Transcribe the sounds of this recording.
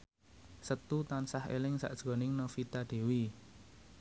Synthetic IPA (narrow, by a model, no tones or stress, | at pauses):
sət̪ut̪ansahḛlɪŋsa̰ʔd̥ʒ̥ɡɔ̤nɪŋnofit̪aɖ̪̥e̤wi